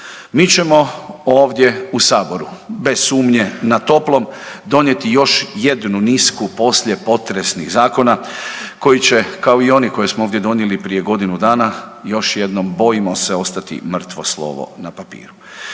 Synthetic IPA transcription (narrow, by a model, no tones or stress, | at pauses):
miːt͡ɕe̞mo̞o̞ːʋd̪je̞usaːbo̞ɾube̞ssuːmɲenat̪o̞plˠo̞md̪o̞nje̞t̪ijo̞ʃje̞d̪nuniskupo̞sʎe̞po̞t̪ɾesniɣzaːko̞nako̞jit͡ɕe̞kao̞io̞niko̞jesmooːʋd̪jed̪o̞njelipɾije̞ɡo̞d̪inud̪aːnajo̞ʃje̞d̪no̞mbo̞jimo̞seo̞st̪at̪ḭmr̩t̪ʋo̞slˠo̰ːʋo̰napapḭːɾu